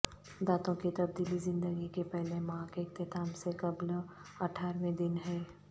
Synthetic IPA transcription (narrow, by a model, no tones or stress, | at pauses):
d̪aːt̪õkit̪ɐb̚d̪iːlizɪ̃nd̪əɡikepɛɦlemãkeːk̚t̪ɪt̪aːmsekɐblɐʈʰaːɾʋẽd̪ɪnɦɛː